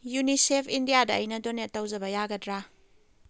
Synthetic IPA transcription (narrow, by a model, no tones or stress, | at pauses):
junisepʰindijadɐɐjnɐdonet̚tːɐwzɐbɐjaɡɐdɾa